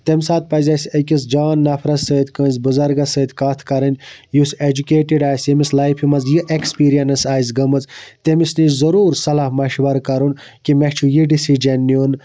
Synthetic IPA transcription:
t̪emʲsaːt̪̚pɐzʲɐsʲɐkʲis̬d͡ʒaːnːɐfʰɾɐsət̪ʲkəːnzbuzɐɾɡɐsəːt̪kaːt̪ʰkɐɾɐnʲjused͡ʒukʲeːʈiɖaːsjemislajpʰimɐzjiʔekspiːɾijɐnɐsaːjzɡɐmɐzt̪emisnizɐɾuːɾsɐlahmɐʃʋɐɾkɐɾun | kimet͡ʃʰujiɖisid͡ʒɐnːun

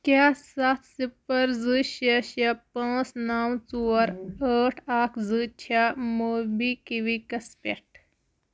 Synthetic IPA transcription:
kjassat̪sipəɾd͡zɨɕaɕapãt͡snawt͡suɾəʈʰakʰd͡zɨt͡ɕʰamobikiʋikɐspḛʈ

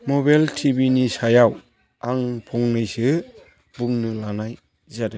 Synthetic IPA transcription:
mɔbajltʰibinisajaw | aŋpʰɔŋnɯjsɯ | buŋnɯlanaj | zadɯ

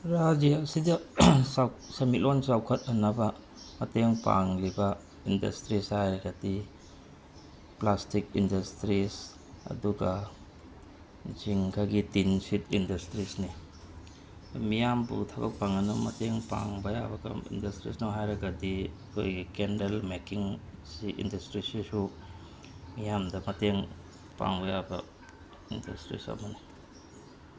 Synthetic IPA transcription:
ɾad͡ʒijasidɐsawsemilonsawkʰɐtɐnɐbɐ | mɐteŋpa̰ŋlibɐ | indɐ̰stɾishajɾɐɡadi | plastik̚indɐstɾis | ɐ̰duɡɐ | d͡ʒiŋkʰaɡitinsit̚indɐstɾisni | mijambṵtʰɐbɐk̚paŋɐnumɐteŋpa̰ŋbɐja̰bɐkɐ̰mḭndɐstɾḭsnawɦajɾɐɡɐdiɐkʰo̰jɡikendelmekiŋsiʔḭndɐstɾisisu | mijamdɐmɐteŋ | pa̰ŋbɐjabɐ | indɐ̰stɾḭsɐ̰mɐni

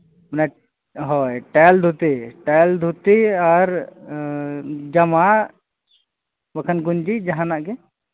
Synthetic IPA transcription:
mɛna | ɦɔjʈald̪ʱut̪iʈald̪ʱut̪iaɾ | d͡ʒama | bakʰənɡuɲd͡ʒid͡ʒaɦãnaʔɡɛ

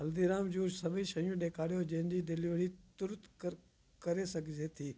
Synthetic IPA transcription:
ɦɐld̪iɾaːmd͡ʒuːɾsɐbʱĩʃɐjũɗeːkʰaːɽjod͡ʒɐ̃ɦɪ̃nd͡ʑiːd̪ɪliʋəɽ̤iːt̪ʊɾt̪kəɾ | kɐɾesɐɡʱd͡ʒet̪ʰiː

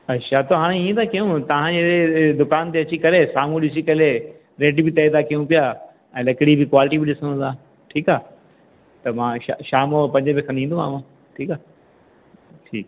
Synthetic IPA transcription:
ɐɕʰat̪oːɦaːɽ̃ẽiẽd̪akijũt̪ɐʋ̤ãd͡ʑeːed̪ʊkaːnt̪eɐt͡ɕikɐlesaːm̤ũɗɪsikɐle | ɾeːɖbɪt̪ɐid̪akijũpijaː | ɛ̃ːlɐkɪɽibɪkwaːlɪʈibɪɗɪsəɽ̃ʊ̃d̪aː | ʈʰiːkaː | t̪ɐmãːaʃaːmpɐ̃ɲd͡ʑəbɪkʰɐ̃nĩːnd̪umã̰ːmã | ʈʰiːkaː | ʈʰḭːk

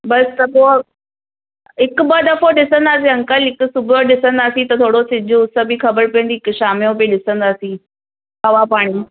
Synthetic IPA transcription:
bɐst̪ɐbo | ɪkbɐɗ̪ɐfoɖɪsə̃nd̪aːs̬ĩɐ̃ŋkəlɪkʊsʊbʱoɗɪsə̃nd̪aːsĩt̪ɐt̪ʰoːɽosɪ̃d͡ʑʱʊʊsəbixɐbəɾpiə̃nd̪iɪkʃaːmijõbiɗɪsə̃nd̪aːsĩ | ɦɐʋapaːɽ̃i

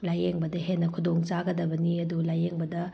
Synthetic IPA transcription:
lajeŋbɐdɐɦenːɐkʰudoŋt͡ʃaɡɐdɐbɐniɐdulajeŋbɐdɐ

